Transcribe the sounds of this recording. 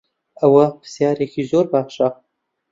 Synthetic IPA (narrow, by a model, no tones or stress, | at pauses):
ɐwɐpə̥sjɑːɾekʰizoːɾbaːʃa